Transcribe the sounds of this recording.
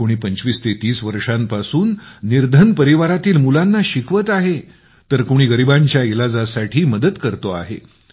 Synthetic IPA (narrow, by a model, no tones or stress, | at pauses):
koɽ̃iːpəɲt͡ɕʋiːst̪et̪iːsʋəɾʂampasuːnːiɾd̪ʱənpəɾiʋaɾat̪iːlmulanːaɕikʰʋət̪aɦe | t̪əɾkoɽ̃iːɡəɾibaɲt͡ɕjaelad͡zasaʈʰiːməd̪əd̪kəɾt̪oa̰ɦe